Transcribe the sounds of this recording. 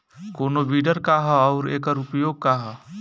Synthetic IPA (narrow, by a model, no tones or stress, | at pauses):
konobiɖəɾkaɦəːʊɾeːkəɾupjoɡ̚kaɦə